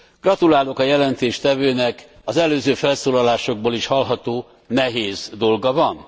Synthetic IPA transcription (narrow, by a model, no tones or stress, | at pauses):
ɡ̥rɒt̪ulaːlo̞kɒjɛlɛnt̪eːʃt̪ɛvøːnɛk | ɒzɛløːzøːfɛlsoːlɒlaːʃo̞ɡ̚boːliʃhɒlɦɒt̪oː | nɛɦeːzd̪o̞lɡɒvɒn